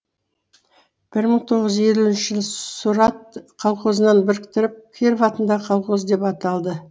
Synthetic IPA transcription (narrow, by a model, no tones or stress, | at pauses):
b̥ɪɾməɴt̪ʰo̞ʁəzʒe̞luɪnʃɪʒəlˠsuɾɑt̪̚qʰɑlˠqozənɑnbɪɾɪkt̪ɪɾɪp̚kʲʰeɾvɑt̪ənd̪ɑqʰɑlˠqozd̪e̞pɑt̪ɑlˠd̪ə